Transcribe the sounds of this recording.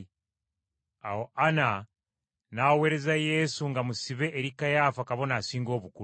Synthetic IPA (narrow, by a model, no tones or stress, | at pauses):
ahoana | naweːɾe̞zajesuŋɡamusiβe̞ʔːɾikajaːfakaβo̞nasiːŋɡo̞ːβuku